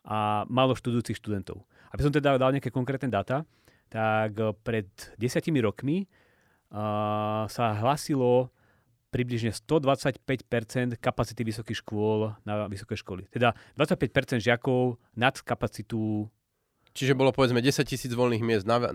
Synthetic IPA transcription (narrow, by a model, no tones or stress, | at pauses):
ʔamalɔʃt̪ud̪ujuːt͡sixʃt̪ud̪ɛnt̪ɔ̰ʊ | abis̬ɔmt̪ɛd̪ad̪alɲɛakɛkɔŋkɾɛːt̪nɛd̪at̪a | t̪akpɾɛd̪ɟɛsɪacimiɾɔkmi | saɦlaːsilɔ | pɾibliʒɲɛst̪ɔd̪ʋat͡sacpɛcpɛɾt͡sɛnt̪kapat͡si̥t̪iʋisɔkixʃkʊɔlnaʋisɔ̥kɛjʃkɔlḭt̪ɛd̪ad̪ʋat͡sac̚pɛc̚pɛɾt͡sɛnd̪ʒɪakɔʊ | nat̪kapat͡sit̪u | t͡ʃiʒɛbɔlɔpɔʋɛd͡zmɛɟɛsac̚cisiːd͡zʋɔlniːɣmɪɛzd̪na